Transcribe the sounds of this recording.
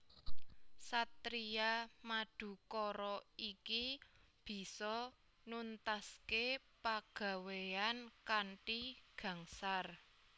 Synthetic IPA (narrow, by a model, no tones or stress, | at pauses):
sat̪ɾiamaɖ̥ṳkɔɾɔikib̥i̤sɔ | nunt̪aske | paɡ̥ä̤weankaɳʈiɡ̥ä̤ŋsar